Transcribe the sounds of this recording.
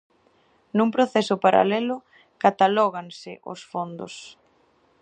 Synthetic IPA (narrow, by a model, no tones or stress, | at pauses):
numpɾoθesʊpaɾa̰lɛlʊ | kat̪alɔɣaŋsɪʔo̰sfond̪ʊ̰s